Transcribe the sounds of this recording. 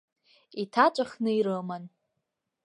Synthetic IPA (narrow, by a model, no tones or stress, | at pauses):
itʰat͡ʃʷʼaχnɨiɾɨman